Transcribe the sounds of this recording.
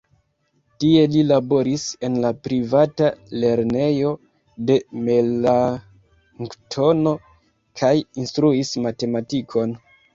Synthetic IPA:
tie̞lilabo̞ɾise̞nlapɾivatale̞ɾne̞jo̞ | de̞mela | ŋktʰo̞no̞ | kʰajinstɾuismate̞matikʰo̞n

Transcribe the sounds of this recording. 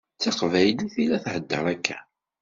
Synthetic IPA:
t͡sːɑqvæjliθilæθhəd̪ːə̰ɾˤækʰːæ

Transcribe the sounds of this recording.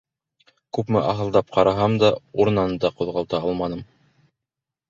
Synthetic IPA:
kʉpmɘʔɑɦɤ̆lˠd̪ɑp̚qʰɑɾɑɦɑmd̪ɑuɾ̆nɑnɤd̪ɑqŏðʁɑlˠt̪ɑɑlˠmɑnɤm

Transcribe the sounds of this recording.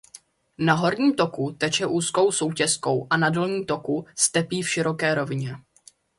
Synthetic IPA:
naɦo̞ɾɲiːmt̪o̞kut̪ɛt͡ʃɛʔuːsko̞wso̞wcɛsko̞wʔanado̞lɲiːt̪o̞kust̪ɛpiːfʃɪɾo̞kɛːɾo̞vɪɲɛ

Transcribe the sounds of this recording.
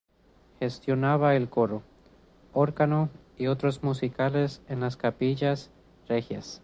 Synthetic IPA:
xe̞st̪jo̞naβaelko̞ɾo̞ | o̞ɾkano | io̞t̪ɾo̞zmusikale̞senlaskapiʝas | rexja̰s

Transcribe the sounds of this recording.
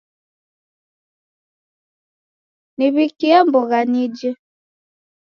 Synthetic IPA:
niβikiambɔɣanid͡ʒə

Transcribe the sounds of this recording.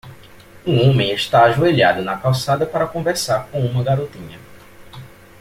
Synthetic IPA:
ũõmẽj̃eʃt̪aaʒueʎa̰d̪ʊnɐkawsad̪ɐpaɾɐkõveɾsaɾkõw̃ũmɐɡaɾot̪ĩɲɐ

